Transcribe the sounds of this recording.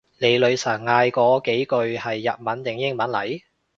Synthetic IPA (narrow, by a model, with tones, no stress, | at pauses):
le˨˧jlɵ˨˧ɥsɐː˨˩ŋŋaː˧jkɔː˨˧ke˨˥jkɵ˧ɥhɐ˨jːɐ˨t̚mɐ˨˥nt̪ɪ˨˩ŋjɪ˥ŋmɐ˨˥nlɐ˨˩j